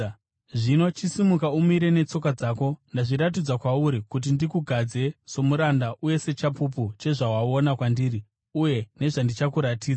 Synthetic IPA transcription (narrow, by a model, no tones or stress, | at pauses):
ʐinot͡ʃisimukaumiɾe̞ne̞t͡so̞kad͡zaːko̞ndaʐiɾat̬id͡zakwauɾikut̬indikuɡʱad͡ze̞so̞muɾandaʔuje̞se̞t͡ʃapup̬ut͡ʃe̞ʐaɦwaonakwandiːri | uje̞ne̞ʐandit͡ʃakuɾatiːd͡za